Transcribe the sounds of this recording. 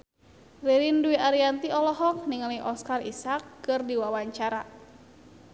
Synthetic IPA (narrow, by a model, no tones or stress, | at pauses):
riɾinduiaɾiant̪iɔlɔɦɔk̚niŋaliʔɔskarisakːɨrdiwawaɲt͡ʃaɾa